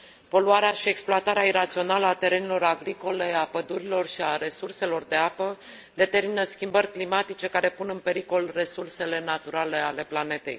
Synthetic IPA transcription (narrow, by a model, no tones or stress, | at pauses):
po̞luaɾeaʃie̞ksploat̪aɾeaiɾat̪sio̞naləat̪e̞ɾenelo̞ɾaɡɾiko̞le̞apəd̪uɾilo̞rʃiaɾe̞surse̞lo̞rd̪e̞apə | d̪e̞t̪e̞rminəskʲimbərʲklimat̪it͡ʃe̞kaɾe̞punɨnpe̞ɾiko̞lre̞surse̞le̞nat̪uɾale̞ale̞plane̞t̪e̞̰j